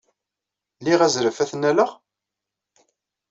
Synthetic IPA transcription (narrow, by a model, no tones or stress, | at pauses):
liʁæzɾəfæθnæləʁ